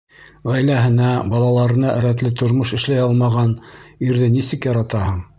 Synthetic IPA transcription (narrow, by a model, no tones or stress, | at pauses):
ʁæjlæɦɘ̆næbɑlˠɑlˠɑɾɤ̆nɑʔɘ̰̆ɾæt̪lɘt̪ʰŏɾmoʃɘ̆ʃlæjɑlˠmɑʁɑniɾðɘnisɘ̆kjɑɾɑt̪ɑhɤɴ